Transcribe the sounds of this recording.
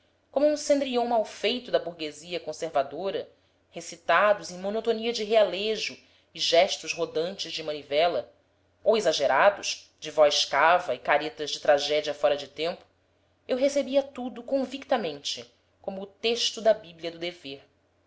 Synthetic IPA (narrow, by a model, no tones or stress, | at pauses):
kõmʊũsẽnd̪ɾiõw̃mawfejt̪ʊd̪ɐbuɾɡeziɐkõseɾvad̪oɾɐ | hesit̪ad̪ʊzẽj̃monot̪oniɐd͡ʒɪɦealeʒʊ | ɪʒɛʃt̪ʊzɦod̪ɐ̃nt͡ʃɪzd͡ʒɪmɐ̃nivɛlɐ | owezaʒeɾad̪ʊʃ | d͡ʒɪvɔjʃkavɐɪkaɾet̪ɐzd͡ʒɪt̪ɾaʒɛd͡ʒiɐfɔɾɐd͡ʒɪt̪ẽmpʊ̥ | ewɦesebiɐt̪ud̪ʊkõvikt̪ɐmẽnt͡ʃɪ | kõmʊːt̪eʃt̪ʊd̪ɐbibliɐd̪ʊd̪eveɾ